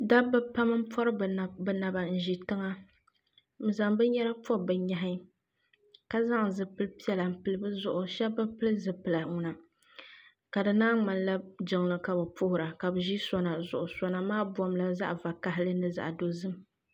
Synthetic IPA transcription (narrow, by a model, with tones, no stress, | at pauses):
da˦bɨ˦pa˦mɨ˦m̩˦pɔ˦ɾɨ˦˨bɛ˦na˨ba˨n̩˦ʒi˨tɨ˦ŋa˦ | m̩˨za˨ŋbɨ˦ɲɛ˦ɾa˦pɔ˦bɨ˨ɲa˨ɦa˦ | ka˦za˦ŋ˨zɨ˨pɨ˦lpi˦ɛ˨la˨m̩˨pɨ˨lɨ˦bɨ˦zʊ˦˨ʔʊ˨ʃɛ˦bɨ˦pɨ˦lɨ˦zɨ˨pɨ˨la˨ŋʊ˨na˨ | ka˨dɨ˨naː˦ŋ͡ma˨nla˦d͡ʒɪ˨ŋlɨ˨ka˨bɨ˨pʊ˦hʊ˨ɾa˨ka˨bɨ˨ʒi˦sɔ˦na˨zʊ˨ʔʊ˨sɔ˦na˨maː˦bwɔ˨mla˦za̰˦ʔva˨ka˦ɦɪ˦lɨ˦nɨ˦za̰˨ʔdo˦zɨ˦m